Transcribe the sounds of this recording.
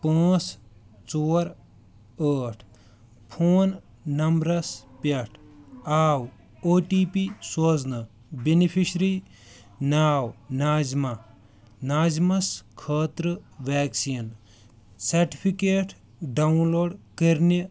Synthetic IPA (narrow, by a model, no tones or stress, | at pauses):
pãːt͡s | t͡soːɾ | əːʈʰ | pʰoːnː | ɐmbɾɐspɐʈʰaːw | oːʈiːpisoːznɐ | binipʰiʃɾi | naːwnaːzma | naːzmɐskʰəːt̪ɾɨʋeːksin | sɐɾʈi̥pʰikeːʈʰ | ɖɐunloːɖkɐɾni